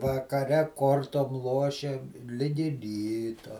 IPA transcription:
ʋɐkɐˈrʲɛ ˈkoːrtoːm ˈlˠoːʃʲeːm ˈlʲɪɡʲɪ ˈrʲiːtoː

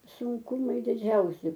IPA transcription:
sʊŋˈkʊmɐɪ dʲɪˈd͡ʒʲɛʊsʲɪ

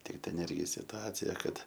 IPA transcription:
tʲɪk tʲɛn ˈɪrʲɡʲɪ sʲɪtʊˈɑːt͡sʲɪjɛ ˈkɐt

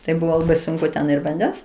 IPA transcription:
tɐɪ ˈbʊʋoː lˠɐˈbɐɪ ˈsʊŋkʊ tʲɛn ɪr ʋɐnʲˈdʲɛns

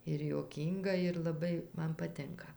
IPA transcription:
ɪr juɔˈkʲiːŋɡɐ ɪr lˠɐˈbɐɪ ˈmɐn pɐˈtʲɪŋkɐ

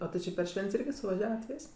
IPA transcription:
oː tʲɪ ˈt͡ʃʲɪ pʲɛr ˈʃʲʋʲɛnʲtʲsʲ ˈɪrʲɡʲɪ sʊʋɐˈʒʲæːʋɐt ˈʋʲɪsʲ

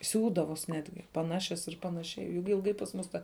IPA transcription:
ˈsʲuːdɐʋoːs ˈnʲæːdʲɡʲɪ pɐˈnɑːʃʲɛs ɪr ˈpɑːnɐʃʲɛɪ jʊk ɪlˠˈɡɐɪ pɐs ˈmʊs tɐ

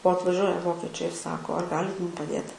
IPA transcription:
oː ɐtʋɐˈʒʲuɔjɛ ˈʋoːkʲɛt͡ʃʲɛɪ ɪr ˈsɑːkoː ɐr ˈɡɑːlʲɪt ˈmʊm pɐˈdʲeːt

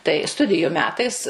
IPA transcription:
tɐɪ ˈstʊdʲɪjʊ ˈmʲæːtɐɪs

